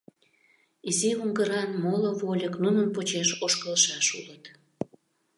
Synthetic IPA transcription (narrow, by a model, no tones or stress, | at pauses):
iziuŋɡəɾɑnmoloβolʲəknunənpot͡ɕeʃoʃkəlʃɑʃulət̪